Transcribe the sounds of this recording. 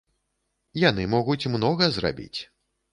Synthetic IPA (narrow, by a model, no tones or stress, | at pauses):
jan̪ɨmɔɣut͡sʲmnɔɣɐzra̰bʲḭt͡sʲ